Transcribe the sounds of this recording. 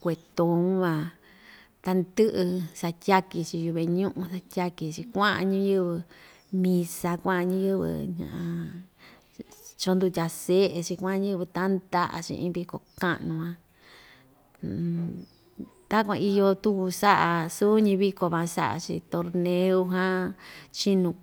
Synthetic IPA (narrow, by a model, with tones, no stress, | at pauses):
kʷe˨t̪o˨˧ũ˦βã˧ | t̪a˧nd̪ɨ˦ʔɨ˧sa˧t̪ʲa˦ki˧t͡ʃi˧ju˧βe˧ɲũ˦ʔũ˧sa˧tʲa˦ki˧t͡ʃi˧kʷã˦ã̰˧ɲĩ˦jɨ˦βɨ˧ | mĩ˧sa˧kʷã˦˧ɲĩ˦jɨ˦βɨ̰˧˨ɲã̰˧˨ʔã˧ | t͡ʃo˧nd̪u˧tʲa˧se˦ʔe˧t͡ʃi˧kʷã˦˧ɲɨ̃˦βɨ˧t̪a˦nd̪a˦ʔa̰˨˧t͡ʃḭ˧ĩ˧˦βi˧ko̰˨kã̰˦ʔnũ˧ã˧˨ | t̪a˦kʷã̰˧i˧jo˧t̪u˦ku˧sa˦ʔa˧su˦ɲĩ˧βi˧ko˧βã˧sa̰˦ʔa̰˨˧t͡ʃḭ˧t̪o˧ɾnẽ˧u˧ɦã˦t͡ʃi˦nũ˧